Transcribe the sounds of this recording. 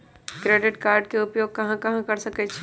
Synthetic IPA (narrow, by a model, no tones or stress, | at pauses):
kɾeːɖɪʈkaːɾɖ̚keʊpjoːɡ̚kɐɦãkɐɦãkɐɾsɐkɛt͡ʃʰe